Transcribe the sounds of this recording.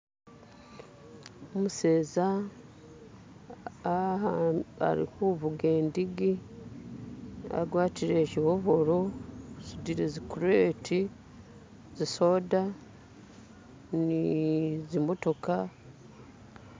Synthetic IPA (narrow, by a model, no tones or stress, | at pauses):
omuse̞ːza | a̰ɾḭkuβuɡe̞ːndiɡi | a̰ɡwaːtiɾe̞ːcihoβo̞ɾo̞zidiɾezikuɾe̞ːtʰi | ziso̞ːda | nizimo̞to̞ka